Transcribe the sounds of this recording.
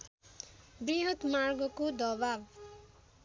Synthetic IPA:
briɦʌt̪marɡʌkod̪ʌbab

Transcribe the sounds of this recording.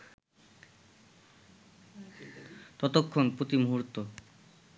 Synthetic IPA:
t̪ɔt̪okʰːonpɾot̪imoɦuɾt̪ːo

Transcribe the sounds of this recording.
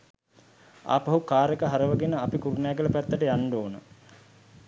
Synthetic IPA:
a̰ːpɐɦukaːɾəkəɦaɾəʋəɡenəapikuɾunjaːɡələpæt̪ːəʈəjanɖoːnə

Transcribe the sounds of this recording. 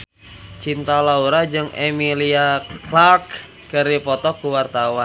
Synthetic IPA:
t͡ʃint̪alauɾad͡ʒɨŋemiliaklark | kɨɾipɔt̪ɔkuwart̪awan

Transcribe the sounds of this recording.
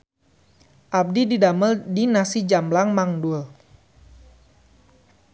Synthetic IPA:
ʔab̚dididaməldinasid͡ʒamlaŋmaŋdul

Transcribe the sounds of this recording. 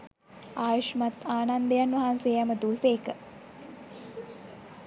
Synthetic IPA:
aːjoʃmat̪aːnand̪əjanʋɐɦanseːjaməd̪uːseːkə

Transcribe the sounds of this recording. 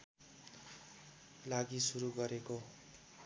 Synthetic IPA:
laɡisuɾuɡʌɾeko

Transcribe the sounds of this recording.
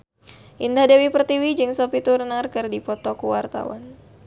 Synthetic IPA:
ʔindahdewipərt̪iwid͡ʒɨŋsopit̪uɾnarkɨrdipɔt̪ɔkuwart̪a̰wa̰n

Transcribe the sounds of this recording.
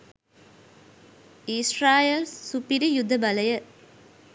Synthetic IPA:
israːjɐlsupiɾijʊd̪ʱːɐbɐlɐjɐ

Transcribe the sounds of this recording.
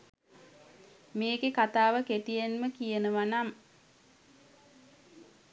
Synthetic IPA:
meːɡekat̪aːʋəket̪ijenməkijənəʋanam

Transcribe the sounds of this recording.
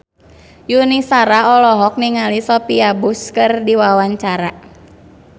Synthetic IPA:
junisaɾaɔlɔɦɔk̚niŋalisɔpiabuskɨrdiwawaɲt͡ʃaɾa

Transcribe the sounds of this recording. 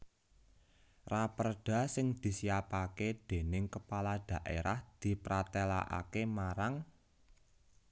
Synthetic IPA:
rapərɖ̥a̤sɪŋd̪̥i̤siapaked̪̥e̤nɪŋkəpalad̪̥ä̤ʔḛɾahd̪̥i̤pɾat̪ela̰ʔa̰kemaɾaŋ

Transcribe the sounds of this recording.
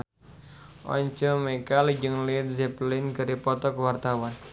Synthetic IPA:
ʔɔ̰ɲt͡ʃɔmɛkald͡ʒəŋlit̪zɛplɪnɡəɾipɔt̪ɔkwart̪awan

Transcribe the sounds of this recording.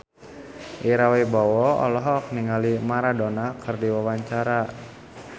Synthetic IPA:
ʔiɾawɛbɔwɔɔ̰lɔɦɔk̚niŋalimaɾadɔnakʰɨrdiwawaɲt͡ʃaɾa

